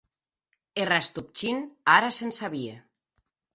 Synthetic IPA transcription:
erast̪up̚t͡ʃinaɾasensaβie

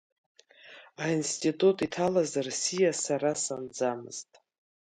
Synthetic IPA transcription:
ainstʼitʼutʼitʰalazarsijasaɾasand͡zamɨ̰z̥tʼ

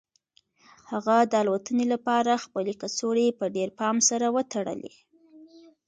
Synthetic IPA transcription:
haɣad̪əalwat̪ənelapɑɾaxpəlekasoɽepəɖeɾpɑmsaɾawət̪aɽə̰lḛ

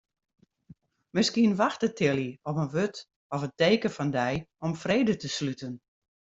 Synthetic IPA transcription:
mɪskiənʋaxtətʰɪlˠiɔpənʋøt | ɔfəteːkəfɔndɛjɔmfreːdətəslytən

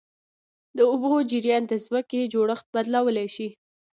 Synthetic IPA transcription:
d̪əʊbod͡ʒɪɾjɑnd̪əzməked͡ʒoɽəxt̪̚bad̪lawəlajʃi

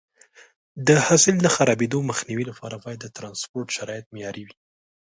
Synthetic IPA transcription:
d̪əhɑsɪld̪axaɾɑbed̪oməxniwilapʰɑɾabɑjad̪ːət̪ɾɑnspoɾʈʃaɾɑjɪt̪̚mejɑɾewi

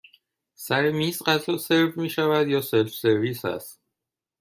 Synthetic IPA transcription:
sæɾemiːsɢæzlɒseɾvmiːʃævæd̪jɒːselfseɾviːsæ̰st̪

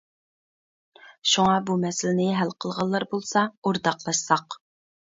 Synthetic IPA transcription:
ʃuŋɑbumɛsɪlɪnɪɦælqʰəlˠʁɑlˠːɑɾbolˠsɑoɾd̪ɑqlˠɑʃsɑq

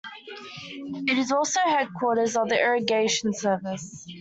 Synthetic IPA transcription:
ɪɾɪzɔˑlˠsəʊɦɛd̚kʰw̥ɔˑɾəzəvðiʔɪɹəɡeɪʃə̃n̩sɜːvɪs

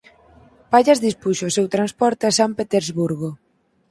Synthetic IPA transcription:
paʎazðispuʃoʊsewt̪ɾanspɔɾt̪easampet̪eɾzβuɾɣo

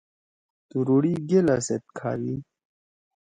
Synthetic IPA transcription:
t̪uɾuɽiɡelaset̪̚kʰa̰ːɾi

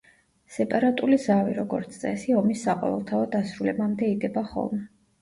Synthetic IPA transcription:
sɛpʼaɾat̪ʼulizaviɾɔɡɔɾt̪sʰt̪sʼɛsiɔmisːaqʼɔ̰vɛ̰lˠt̪ʰaɔd̪asɾulɛbamd̪ɛid̪ɛbaχɔ̰lˠmɛ

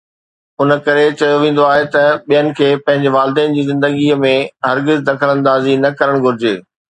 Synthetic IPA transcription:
ʊnə̆kɐɾet͡ɕɐjoʋẽːn̆d̪oaːɦet̪ɐɓijənɪ̆kʰeːpɐ̃ɦɪ̃ɲd͡ʑeʋaːlɪd̪ɛːnɪ̆d͡ʑiːzɪ̃nd̪əɡimẽɦɐɾɡɪzd̪ɐkʰələ̃nd̪aːzinɐkɐɾəɽ̃ɡʱʊɾɪd͡ʑeː

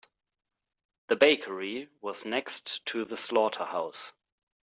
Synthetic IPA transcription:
ðəbeɪkʰə˞iwʌznɛkstʰɨðəslɔtʰəhaʊs

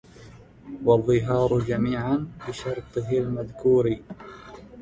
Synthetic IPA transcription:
wɑðˤːɨɦɑːɾˤʊd͡ʒamiːʕanbɪʃɑɾˤt̪ˤɨɦɪlmaðkuːɾi

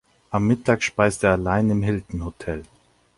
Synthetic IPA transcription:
ʔamːɪtʰaːkʃpaɪsteːɐalaɪnɪmɦɪltn̩hotʰɛl

